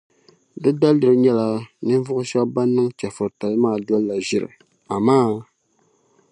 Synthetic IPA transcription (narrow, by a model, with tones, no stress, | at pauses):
dɨ˦da˦ldɨ˨ɾɨ˦ɲɛ˦la˨nɨ˦vʊ˦ʔʊ˦ʃɛ˦bba˦nːɨ˦ŋt͡ʃa˨fɔ˨ɾta˨lmaː˦˨dɔ˦lːa˨ʒɪ˨ɾɨ̰˨ | a˨maː˦